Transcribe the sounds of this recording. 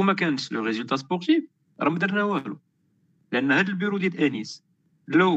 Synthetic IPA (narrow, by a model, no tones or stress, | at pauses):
mækænət̪ləʁezylt̪ɑs̬pɔʁt̪if | ɾˤɑməd̪əɾnæwælṵ | ləʔənːhæd̪əlbyɾud̪jælʔænis | lːæ